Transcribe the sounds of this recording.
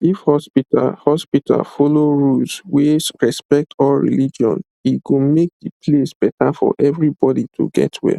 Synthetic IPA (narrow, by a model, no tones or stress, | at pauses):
ifhɔspita̰lhɔspitʰa̰lfoloɹulswesɹɛspɛk̚tʰɔlɹḭlid͡ʒɔ̰̃n | iɡomek̚dipʰlesb̥ɛtafɔ̰ʔɛvɹibɔditʰṵɡɛ̰twɛ̰l